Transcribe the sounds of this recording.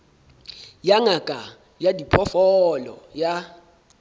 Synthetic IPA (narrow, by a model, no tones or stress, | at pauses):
jaŋakʼa | jadipʰɔfɔlɔ̰ja